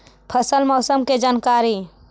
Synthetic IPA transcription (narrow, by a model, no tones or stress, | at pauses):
pʰəsəlmɔːsəmked͡ʒaːnkaːɾi